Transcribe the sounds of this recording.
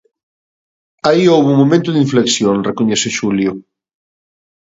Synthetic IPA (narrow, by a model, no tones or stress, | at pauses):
aiowβuŋmomẽnt̪ʊðiɱfleksjoŋrekoɲeseʃuljo